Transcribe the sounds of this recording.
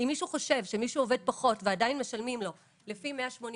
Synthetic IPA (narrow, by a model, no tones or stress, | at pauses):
imːiʃuχo̞ʃe̞vʃe̞miʃuove̞d̚paχo̞tveadainme̞ʃalmimlo̞ | lefimeaʃmo̞n